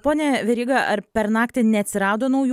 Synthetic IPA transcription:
poːnʲɛʋʲɛɾʲiːɡɐʔɐɾpʲɛɾnɑːkt̪ʲɪnʲɛɐt̪ʲsʲɪɾɑːd̪oːnɐʊj

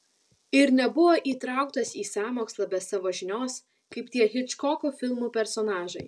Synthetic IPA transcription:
ɪɾnʲɛbʊʋoːʔiːt̪ɾɑˑʊkt̪ɐsiːsɑːmoːkslˠɐːbʲɛsɑːʋoːʒʲɪnʲoːs | kɐɪpt̪ʲiɛɣʲɪt͡ʃkɔkuːfʲɪlˠmuːpʲɛɾsɔnɑːʒɐɪ

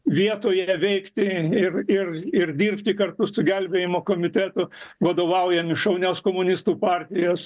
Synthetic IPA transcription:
ʋʲiɛt̪oːjɛʋʲɛɪkt̪ʲɪɪrɪrɪrd̪ʲiːrpʲt̪ʲɪkɐrt̪ʊsʊɡʲælʲbʲeːjɪmoːkoːmʲɪt̪ʲæt̪ʊʋɐd̪oːʋɐʊjɛmɪʃɐʊnʲoːskoːmʊnʲɪst̪uːpɑːrʲt̪ʲɪjoːs

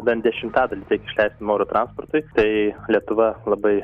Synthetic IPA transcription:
bʲɛnd̪ʲɛʃʲɪmt̪ɑːd̪ɐlʲiːtʲɛɪkʲɪʃʲlʲɛɪst̪ʲɪmoːɾoːt̪ɾɑnsport̪ʊɪt̪ɐɪlʲiɛt̪ʊʋɐlˠɐbɐɪ

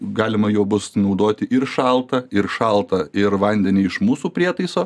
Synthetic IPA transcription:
ɡɑːlʲɪmɐjoːbʊsnɐʊd̪oːt̪ʲɪʔɪrʃɑlˠt̪ɐɪɾʃɑlˠt̪ɐɪɾʋɐnʲd̪ʲɛnʲɪːɪʃmuːsuːpʲɾʲiɛt̪ɐɪsoː

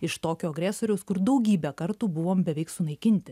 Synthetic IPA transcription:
ɪʃt̪oːkʲoːɐɡɾʲæːsoːɾʲɛʊskʊɾd̪ɐʊɡʲiːbʲɛkɐɾt̪uːbʊʋoːmbʲɛʋʲɛɪksʊnɐɪkʲɪnʲt̪ʲɪ

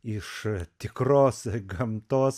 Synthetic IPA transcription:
ɪʃt̪ʲɪkɾoːsɡɐmt̪oːs

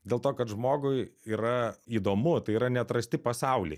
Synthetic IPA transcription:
d̪ʲeːlˠt̪oːkɐt̪ʒmoːɡʊɪiːɾɐiːd̪oːmʊt̪ɐɪiːɾɐnʲɛt̪ɾɐsʲt̪ʲɪpɐsɐʊlʲḛɪ

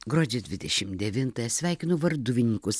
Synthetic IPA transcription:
ɡɾoːd͡ʒʲed̪ʲʋʲɪd̪ʲɛʃʲɪmd̪ʲɛʋʲɪnt̪ɐjɛsʲʋʲæˑɪkʲɪnoʋɐɾd̪ʊʋʲɪnʲiːkʊs

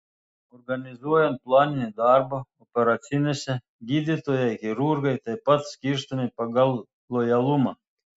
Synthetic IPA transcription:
ɔɾɡanʲizuɔjɛnt̪̚plˠɑːnʲinʲid̪ɑɾbɐɔpʲɛɾat̪sʲinʲesʲɛ | ɡʲid̪ʲit̪ojajkʲiɾuɾɡajt̪ajpat̪sʲkʲiɾst̪ɔmʲipɑɡalˠ | lˠɔjalˠumɑ

